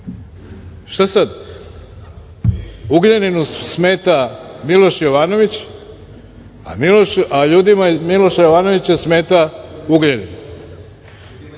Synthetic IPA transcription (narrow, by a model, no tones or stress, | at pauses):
ʃt̪asad̪ | uɡʎeninusmeːt̪amilˠo̞ʃjoʋaːno̞ʋit͡ɕ | a̰miloʃaʎuːd̪imamilo̞ʃajoʋaːno̞ʋit͡ɕasmeːt̪auɡʎenḭn